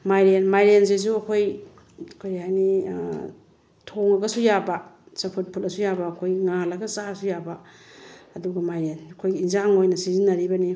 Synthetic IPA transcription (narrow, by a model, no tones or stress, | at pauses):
majɾenmajɾenzez̬uɐkʰoj | kʰojajni | tʰoŋɐɡɐsujabɐsɐpʰut̚pʰulɐsujabɐːkʰojŋalɐɡɐt͡ʃasujaba | ɐduɡɐmajɾenɐkʰojinzaŋojnɐsizinɐɾibɐni